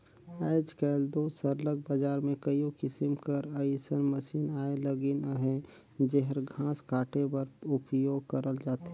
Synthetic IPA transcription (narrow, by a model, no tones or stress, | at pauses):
ɛːd͡ʒkɛːld̪oːsəɾləɡ̚bad͡ʒaːɾmẽkəjõkɪsɪmkəɾəsənməsiːnaːeləɡinəɦẽ | d͡ʒeɦəɾɡʱãːskaːʈebɐɾʊpjoːɡkəɾəld͡ʒaːt̪ɦɛ